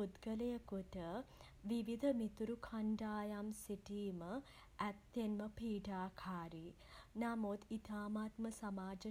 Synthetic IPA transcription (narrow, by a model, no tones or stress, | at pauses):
ud̪ɡəlejəkuʈə | ʋiʋid̪ʱəmit̪uɾukʰaɳɖaːjamsiʈiːmə | ɛt̪ːenməpʰiːɖaːkʰaːɾi | namud̪it̪aːmat̪məsamaːd͡ʒə